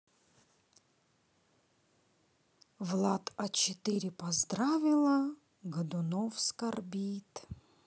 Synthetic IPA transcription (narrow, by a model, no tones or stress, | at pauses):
vlˠat̪ɐt͡ɕɪt̪ɪɾʲɪpɐzd̪ɾavʲɪlˠə | ɡɐd̪ʊnofskɐrbʲit̪